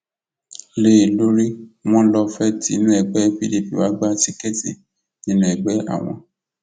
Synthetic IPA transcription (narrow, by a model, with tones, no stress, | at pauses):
le˦˨lo˦ɾi˦w̃ɔ̃˦lɔ˧fɛ˦tḭ˨˦nũ˦ɛ˨ɡ͡bɛ˨˦fi˦li˦˨pi˨wa˨˦ɡ͡ba˦ti˦ke˦˨tḭ˨ | nĩ˦nũ˦ɛ˨ɡ͡bɛ˨˦a̰˦˨w̃ɔ̰̃˧